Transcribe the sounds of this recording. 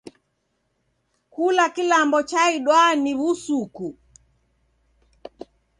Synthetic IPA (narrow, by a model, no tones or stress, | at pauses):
kulakilambɔt͡ʃaiɗwaniβusuku